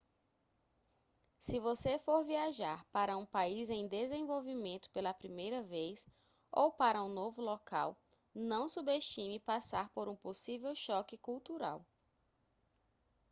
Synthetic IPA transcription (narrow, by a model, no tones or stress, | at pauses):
sɪvosefoɾviaʒaɾpaɾɐũpaizẽj̃d̪ezẽvowvimẽnt̪ʊ̥pelɐpɾimejɾɐvejs | owpaɾɐũnovʊlɔka̰w | nɐ̃w̃subeʃt͡ʃĩmɪpasaɾpoɾũposivewʃɔkɪkuwt̪uɾa̰w